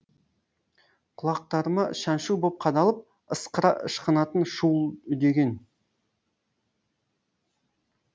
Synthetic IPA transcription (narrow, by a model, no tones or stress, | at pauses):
qʰʊlˠɑq̚t̪ɑɾmɑʃɑnʃubop̚qʰɑd̪ɑlˠəp̚ | əsqəɾɑ̰ʔə̰ʃqənɑt̪ənʃulˠd̪e̞ɡʲe̞n